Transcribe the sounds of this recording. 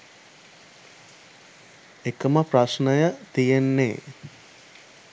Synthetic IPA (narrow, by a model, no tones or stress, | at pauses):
ekəməpɾɐʃnəjət̪ijenːḛː